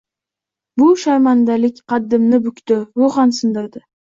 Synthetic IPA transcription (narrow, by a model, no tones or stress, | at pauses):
bʊʃaɾmand̪alɪkʲqʰɑd̪ːɪmnɪbʊkʲt̪ɪwoʁɑnsɪnd̪ɪɾd̪ɪ